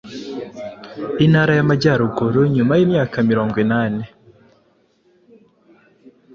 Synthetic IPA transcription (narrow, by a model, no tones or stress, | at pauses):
inhaɾajamaɟaɾuɡuɾuɲumajiːmɲaːkamiɾo̞ːŋɡwinaːne